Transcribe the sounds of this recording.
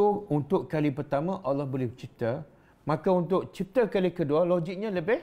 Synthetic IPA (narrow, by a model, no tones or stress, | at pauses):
uunt̪ʊʔkalipərt̪amãʔalɔhbolɛht͡ʃip̚t̪a | mãkaunt̪̬ʊʔt͡ʃip̚t̪akalikədualoɡik̚ɲãləbɪh